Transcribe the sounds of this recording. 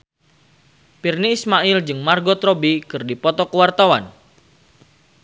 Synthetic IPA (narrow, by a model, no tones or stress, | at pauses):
pirniːsmaʔild͡ʒɨŋmarɡɔt̪ɾɔbikɨrdipɔt̪ɔkəwart̪awan